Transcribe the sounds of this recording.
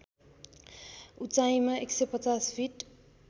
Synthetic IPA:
ut͡sajimaeksejpʌt͡saspʰiʈ

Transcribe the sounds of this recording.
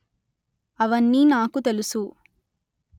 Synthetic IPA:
ɐʋɐnːiːnaːkut̪e̞lusu

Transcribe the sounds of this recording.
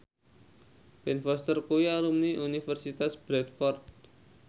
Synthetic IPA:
pɛnfɔst̪ərkujaɾumniʔunifərsit̪asb̥ɾɛt̪fɔrt̪̚

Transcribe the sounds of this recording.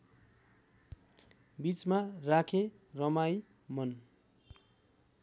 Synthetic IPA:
bit͡smarakʰe | rʌmaj | mʌn

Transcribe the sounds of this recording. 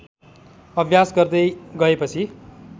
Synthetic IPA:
ʌbʱjasɡʌrd̪ʌjɡʌepʌt͡sʰi

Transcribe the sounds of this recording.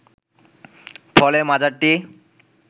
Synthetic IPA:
fʰɔlemad͡ʑaʈːi

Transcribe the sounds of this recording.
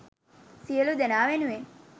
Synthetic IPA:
siəlud̪enaːʋenue

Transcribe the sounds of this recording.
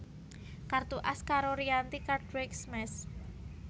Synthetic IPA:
kart̪uʔaskaɾoɾiant̪ikardɾɛksmɛs

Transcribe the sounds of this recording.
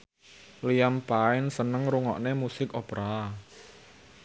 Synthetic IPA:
lijampaɪnsənəŋɾuŋɔ̰ʔnemusɪkopɾa

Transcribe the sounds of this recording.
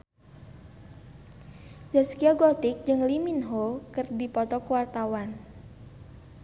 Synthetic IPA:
d͡ʒaskiaɡɔt̪ik̚d͡ʒɨŋliminɦokɨrdipɔt̪ɔkuwart̪awan

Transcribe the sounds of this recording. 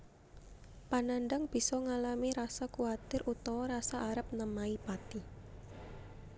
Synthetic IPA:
pananɖəŋb̥i̤sɔŋalamiɾasakuat̪ɪrʔut̪ɔwɔɾasaʔːɾəp̚nəmaipat̪i

